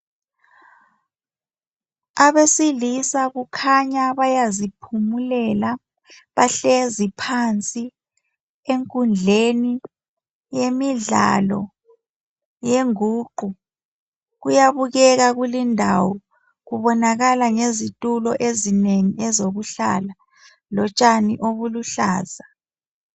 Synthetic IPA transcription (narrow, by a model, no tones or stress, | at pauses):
aβesilisaɣukʰaɲaβajazipʰumulɛla | βaɬezipʰant͡sʼi | eŋkʼund͡ɮʱeni | jemiɮa̰lɔ̰ | jeŋuːǃʱu | ɣujaβuɣɛɣaɣulindʱawɔ | ɣuβɔnaɣalaŋezitʼulɔʔezineŋiʔɛzoɣuɬa̰la | lɔt͡ʃʼaniʔoβuluɬa̰ːza